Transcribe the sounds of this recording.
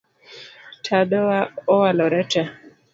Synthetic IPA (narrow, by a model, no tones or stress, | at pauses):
tʰadɔwaɔwalɔɾɛta